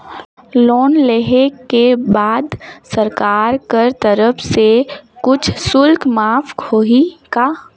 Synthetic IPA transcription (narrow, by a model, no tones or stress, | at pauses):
loːnleɦekebaːd̪səɾkaːɾkəɾt̪əɾəpʰsekʊt͡ʃʰsʊlkmaːfʰkʰoːɦikaː